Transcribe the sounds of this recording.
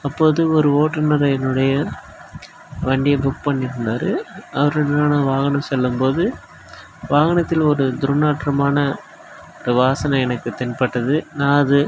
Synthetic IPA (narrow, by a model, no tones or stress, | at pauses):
ɐpːoːðɯɔɾɯʋoːʈːɐɾnɐɾɐjɐnɯɽɐjɐ | ʋɐɳɖɪjɐbʊkpɐɳːɪɾɯnd̪aːɾɯ̰ɐʋɐɾɐnɾaːnɐʋaːɣɐnɐ̃msɛlːɯmpoːðɯ | ʋaːɣɐnɐt̪ːɪlɔɾɯd̪ʊɾnːaːʈːɾɐmaːnɐ | ɾɐʋaːsɐnɐɛnɐkːɯt̪ɪnpɐʈːɐðɯnaːðɯ